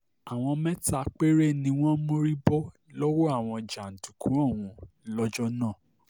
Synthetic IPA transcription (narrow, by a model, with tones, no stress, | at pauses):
a˨w̃ɔ̃˧mɛ̃˦ta˧k͡pe˦ɾe˦˨nĩ˧w̃ɔ̃˦mo˦ɾi˦bɔ˦ | lɔ˦wɔ˦a˦˨w̃ɔ̃˧d͡ʒa˨n̩˨tu˨kʰũ˨˦ɔ̃˦˨w̃ũ˧˦ | lɔ˦d͡ʒɔ˦nãː˦˨